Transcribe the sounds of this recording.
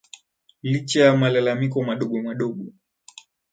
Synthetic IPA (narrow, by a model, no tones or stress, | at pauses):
lit͡ʃajamalalamikɔmaɗɔɠɔmaɗɔɠɔ